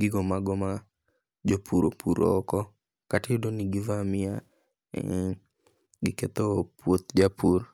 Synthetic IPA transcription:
ɡɪɡɔmaɡɔma | d͡ʒopʰuɾopʰuɾo̰ːkɔ | katɪdoniɡɪvamɪa̰ | ɡɪket̪opwot̪̚d͡ʒapur

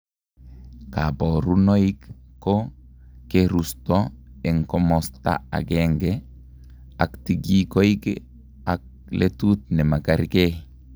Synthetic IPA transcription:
kaboɾunoikkːokeɾustoɛŋkɔmɔsta̰a̰ɡeŋɡe | aktiɡikoik | ak̚ | letut̚nɛmakaɾke

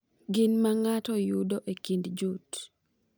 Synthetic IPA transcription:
ɡɪnmaŋatɔjudoʔekindd͡ʒut

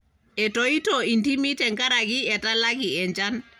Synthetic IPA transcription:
ɛtoitɔintimitɛŋkaɾaɡiɛtalaɡiɛɲd͡ʒan

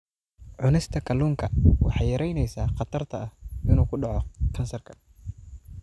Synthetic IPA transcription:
ʕʊnɛst̪ʰɐkʰɐluːŋkʰɐwʔɑħɑjɐɾɛjnɛjsaːqɑt̪ʰɐrt̪ʰɐʔɐhʔɪnuːkʰʊɖɑʕɔkʰɐnsɐrkʰɐ̥

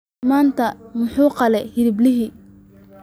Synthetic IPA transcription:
maːnt̪ʰɐmʊħuːqɑlɛhɪɾɪblɪɦiː

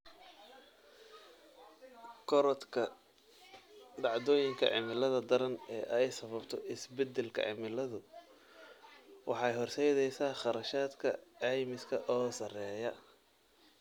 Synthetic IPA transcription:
kʰɔɾɐt̪kʰɐ | d̪ɑʕd̪ɔːjɪŋkʰɐ̰ʕɪmɪlɐðɐd̪ɐɾɐnɛ̰ːʔɛjsɐβɐbt̪ʰɔɪsbɛd̪ɛlkʰɐ̰ʕɪ̰mɪlɐðʊ | wɑ̰ħɑjhɔrsɛjðɛjsaːχɑɾɐʃaːd̪kʰɐ̰ɛjmɪskʰɐʔɔːsɐrɛːjɐ

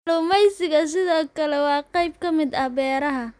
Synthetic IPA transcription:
luːmɛjsɪɣɐs̬ɪðɔːkʰɐlɛwɑːqɑjb̚kʰɐmɪd̪ɐhbɛːɾɐɦɐ

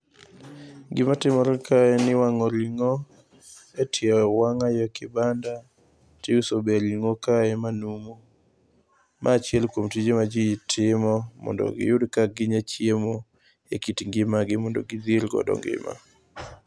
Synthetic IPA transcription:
ŋɡɪmatɪmɔɾkaɛnɪwaŋɔliŋo | etʰjɛwaŋajɔkɪbanda | tɪusobeliŋokaɛmanumo | mʔaːt͡ʃɛlkwomtid͡ʒemad͡ʒitʰɪmɔmɔ̰ndɔ̰ɡɪ̰jʊdkaɡɪɲat͡ʃjemo | ekitiŋɡɪmaɡɪmɔndɔ̰ɡɪd̪ilɡɔ̰dɔ̰ŋɡɪ̰ma̰

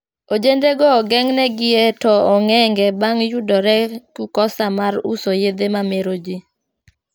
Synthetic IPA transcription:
od͡ʒendeɡɔːɡɛŋnɛɡɪetɔɔŋɛŋɡɛbaŋjudɔɾɛkukɔsamaɾusojed̪emameɾod͡ʒi

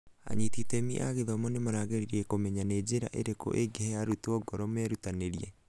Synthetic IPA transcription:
a̰ɲititɛmiʔaɣeðɔmɔnemoɾaɣeɾiɾɛkomɛɲaned͡ʒeɾa̰ʔeɾeko̰ʔeɡɛhɛaɾutɔɡɔɾɔmɛɾutaneɾiɛ

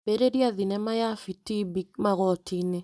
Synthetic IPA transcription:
b̥eɾeɾiaðinɛmajafitibik̚maɣɔtine

